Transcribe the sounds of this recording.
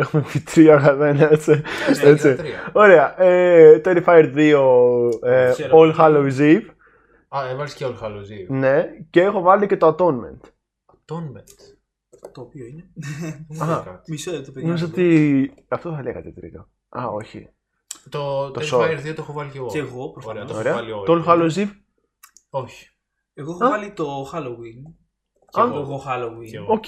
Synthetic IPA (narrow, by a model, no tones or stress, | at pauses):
exumefit̪ɾiɐɣɐðenɐet͡siet͡siio̞ɾe̞ɐʔet̪eɾifɐjeɾðio̞ | olxɐloiziv | ɐevɐlisceolxɐloizivne̞ceexo̞vɐlice̞t̪oɐt̪o̞nme̞̰nt̪ | ɐt̪onment̪ | t̪opioine | ɐkɐt̪i̥misot̪oeðmimiz̬ot̪iɐft̪oθɐleɣɐ̰t̪et̪ɾḭɣo | ɐ̰o̰çḭ | t̪ot̪oesoeɾðiot̪oexovɐliceɣoeɣopɾofɾɐoɾeɐɐliotoolxɐloziv | oçi̥ | eɣoexɐɐlit̪oxɐlowin | ɐoɣoxɐlowio